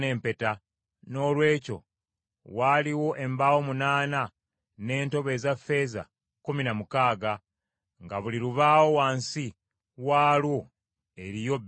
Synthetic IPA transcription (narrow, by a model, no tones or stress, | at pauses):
ne̞ːmpe̞ta | no̞ːlwe̞ːco̞̰ | waːliwo̞ʔe̞mbawo̞munaːna | ne̞ːnto̞βe̞zafe̞ːza̰ | kuminamukaːɡa | ŋɡaβuliɾuβaːwo̞waːnsi | waːlwo | e̞ɾijo̞b